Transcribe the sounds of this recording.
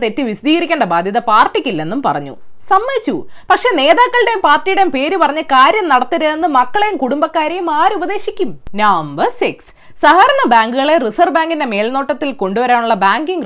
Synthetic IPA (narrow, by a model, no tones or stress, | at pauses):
t̪etːɨʋisɐd̪iːɣɐɾikʲːeːɳɖɐbaːd̪ʱjɐðɐpaːrʈːikʲːilːɐe̞nːumpɐ̰rɐ̰ɲːṵsɐmːɐjit͡ɕːu | pɐkʂe̞ːne̞ːðaːkːɐɭɨɽe̞jumpaːrʈːijuɽe̞jumpe̞ːɾupɐrɐɲːɨkaːɾjɐmnɐɽɐt̪ːiɾɐenːɨmɐkːɐɭe̞jumkuɽumbɐkːaːɾejumaːɾubɐðe̞ːɕikʲːumnɐːmbɐsiks | sɐɦɐɾɐɳɐbaːŋɡuɣɐɭe̞risɐrbaːŋɡinde̞me̞ːlno̞ːʈːɐt̪ːilko̞ɳɖuʋɐɾaːɳuɭːɐbaːŋɡiŋɡ